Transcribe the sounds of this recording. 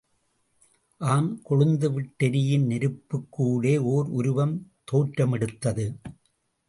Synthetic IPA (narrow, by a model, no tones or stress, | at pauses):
ʔaːnkɔɻɯnd̪ɯʋɪʈːɛɾɪjɪnnɪɾɯpːɯkːuːɽeːoːɾʊɾʊʋɐmt̪oːʈɾɐmɛɽɯt̪ːɐðɯ